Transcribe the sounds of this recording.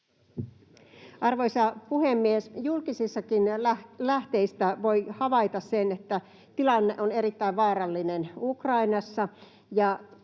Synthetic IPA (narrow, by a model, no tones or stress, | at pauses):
ʔɑrʋojsɑpuhemːiesjulkisisːɑkinlæht̪e̞ist̪æʋo̞jhɑʋɑjt̪ɑssenet̪ːæ | t̪ilɑnːeʔone̞ɾit̪ːæiʋʋɑːɾɑlːinenukrɑinɑsːɑ | jɑ